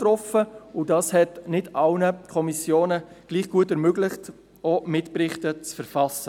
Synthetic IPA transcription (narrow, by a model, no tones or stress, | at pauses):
tɾɔfəʊdɑːshɛtnɪdɑlnəkʰɔmisjoːnə | ɡ̥liːχɡ̥uətɛɾmøɡlɪχt | omɪtpɾɪχtət͡sfɛɾfɑsə